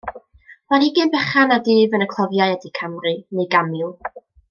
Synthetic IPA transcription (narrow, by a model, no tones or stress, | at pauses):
manɪɡɨnbɛχanadiːvənəkʰlˠɔvjajɛdikʰamrɨneɡamɪlˠ